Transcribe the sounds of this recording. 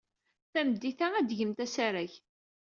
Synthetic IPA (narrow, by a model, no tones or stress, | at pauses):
θæmd̪iθaæd̪ʝəmt̪æsæɾæç